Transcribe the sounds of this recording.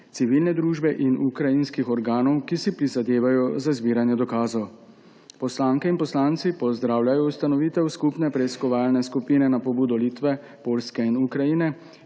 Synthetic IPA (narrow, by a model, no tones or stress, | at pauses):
t̪siʋilnɛd̪ɾuːʒbɛʔinukɾajinskixɔɾɡaːnɔwkisipɾizad̪eːʋajɔzazbiːɾanjɛd̪ɔkaːzɔw | pɔslaːŋkɛinpɔslaːnt̪sipɔzd̪ɾaːwlʲjajɔust̪anɔʋiːt̪ɛwskupnɛpɾɛiskɔʋaːlnɛskupinɛnapɔbuːd̪ɔliːt̪ʋɛ | poːlskɛinukɾajinɛ